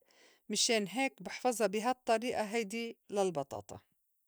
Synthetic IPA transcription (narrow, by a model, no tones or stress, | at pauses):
mɪʃeːnɦeːkbɪħfɑzˤɑbɪɦat̪ˤːɑɾiːʔaɦajd̪ilɪlbɑt̪ˤɑ̰ːt̪ˤɑ̰